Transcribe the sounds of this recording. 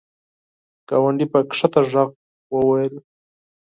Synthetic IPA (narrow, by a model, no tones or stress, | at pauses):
kawaɳɖipəkʂat̪aʐaɣ | wəwajəl